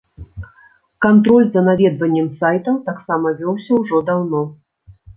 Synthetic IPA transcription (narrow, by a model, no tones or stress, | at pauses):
kant̪ɾɔlʲzɐnavʲɛd̪vɐnʲːɛmsajt̪ɐwt̪aksamɐvʲɔwsʲɐwʐɔd̪awnɔ